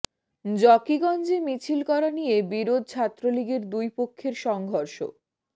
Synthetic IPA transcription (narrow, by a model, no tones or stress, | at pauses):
d͡ʑɔkiɡɔnd͡ʑemit͡ɕʰilkɔɾanijebiɾod̪̚ʱt͡ɕʰat̪ːɾoliɡeɾd̪ujpokʰːeɾʃɔŋɡʱoɾʃo̰